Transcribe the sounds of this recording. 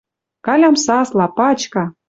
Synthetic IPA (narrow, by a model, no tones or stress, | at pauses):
kɑlʲɑmsɑslɑpɑt͡ɕkɑ